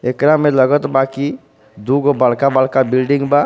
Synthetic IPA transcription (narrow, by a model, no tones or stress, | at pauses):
ekɾamẽləɡət̪baki | d̪uɡobəlkabəlkabilɖĩŋɡba